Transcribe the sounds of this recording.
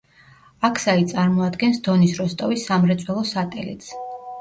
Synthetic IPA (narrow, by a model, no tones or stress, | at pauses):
akʰsait̪sʼaɾmɔad̪ɡɛnsd̪̥ɔnisɾɔst̪ʼɔvisːamɾɛt̪sʼwɛlˠɔsat̪ʼɛ̰lḭt̪sʰ